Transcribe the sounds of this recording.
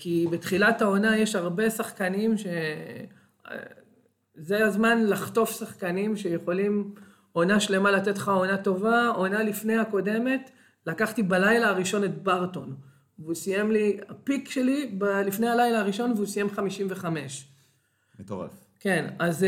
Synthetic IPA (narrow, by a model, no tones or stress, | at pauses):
kibe̞tχilatao̞naje̞ʃaʁbe̞saχkanimʃe̞ | zeazmanlaχto̞fsaχkanimʃe̞jeχo̞lim | o̞naʃle̞malate̞tχao̞nato̞vao̞nalifnejako̞de̞me̞t | lakaχtibalajlaːʁiʃo̞net̚baʁto̞n | vusije̞mliapikʃelibalifne̞jhalajlaːʁiʃo̞nveusije̞mχamiʃimve̞χame̞ʃ | et̪oʁa̰f | ke̞naz